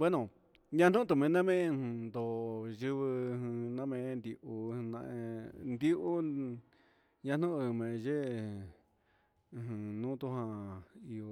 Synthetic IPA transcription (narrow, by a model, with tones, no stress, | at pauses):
be˦nõ˨ | ɲã˧nũ˦t̪̬u˧mẽ˨˧nã˦mẽ˦˧nd̪o˨ʒɨ˧βɨ˧hnã˦mẽ˧˦˧nd̪i˧ʔũ˧nã̰˧ʔe˧nd̪i˦ʔu˦ | ɲã˧nũ˦ʔɨ˧˨˧mẽ˨˧ʒe˦˧ | ɦɨ̃˨˧nũ˦t̪u˧ɦã˧i˧o˧